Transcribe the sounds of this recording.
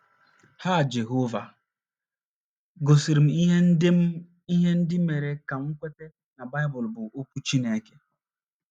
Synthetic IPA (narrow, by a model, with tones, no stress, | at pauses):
haː˦˨d͡ʒe˨ɦo˦va˨ | ɡo˨si˨ɾi˨m̩˨i˦ɦe˦n̩˦d | i˦ɦe˦n̩˦dɪ˦me˨ɾe˨ka˨m̩˦kʷe˦te˦ | na˨ba˦jbʊ˨lbʊ˨o˦ku˦t͡ʃi˦ne˨˦ke̥˦